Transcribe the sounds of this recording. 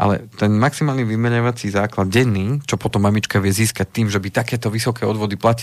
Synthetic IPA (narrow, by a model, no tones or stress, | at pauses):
ʔa̰lɛ̰t̪ɛnmaksimaːlniʋimɛɲaʋat͡sizaːklad̪̚ɟɛnːiːt͡ʃɔpɔt̪ɔmːamit͡ʃkaʋɪɛziːskac̚t̪iːmʒɛbit̪akɛːt̪ɔʋisɔkɛːɔd̪ʋɔd̪iplaci